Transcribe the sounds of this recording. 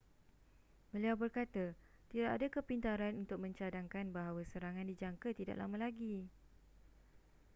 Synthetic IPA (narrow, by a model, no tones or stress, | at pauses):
bəliawbərkat̪a | t̪idaʔadakəpint̪aɾanunt̪ʊk̚mə̃ɲt͡ʃadaŋkanbaɦawasəɾaŋãndid͡ʒaŋkət̪ida̰ʔla̰mãlaɡi